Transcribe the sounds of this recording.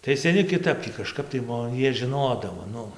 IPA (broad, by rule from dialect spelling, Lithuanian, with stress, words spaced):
tɐɪ sʲɛˈnʲɪ kʲɪˈtɐp tʲiː kɐˈʃkɐp tɐɪ ˈmoː ˈjiɛ ʒʲɪˈnoːdɐʋoː ˈnʊ